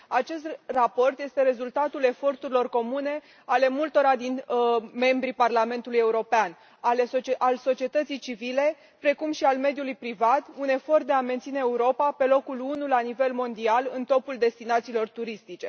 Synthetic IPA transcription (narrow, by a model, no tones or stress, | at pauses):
at͡ʃe̞s̬t̪rapo̞rt̪je̞st̪e̞ɾe̞zult̪at̪ule̞fo̞rt̪uɾilo̞rko̞mune̞ | ale̞mult̪o̞ɾad̪inme̞mbɾiparlame̞nt̪uluje̞uɾo̞pean | alesoʔalso̞t͡ʃie̞t̪ət̪sijt͡ʃivile̞ | pɾe̞kumʃialme̞d̪julujpɾivat̪une̞fo̞rt̪̚d̪e̞ament̪sine̞ːuɾo̞pape̞lo̞kulunulanive̞lmo̞nd̪ialɨnt̪o̞puld̪e̞st̪inat̪siːlo̞rt̪uɾist̪it͡ʃe̞